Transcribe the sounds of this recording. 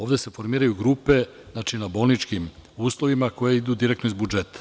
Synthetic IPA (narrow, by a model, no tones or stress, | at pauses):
o̞ːʋd̪e̞se̞fo̞ɾmiːɾajuɡɾuːpe̞ | znat͡ʃinabo̞lnit͡ʃkimuːslˠoʋimako̞je̞id̪uːd̪iɾekt̪noizbud͡ʒe̞t̪ḁ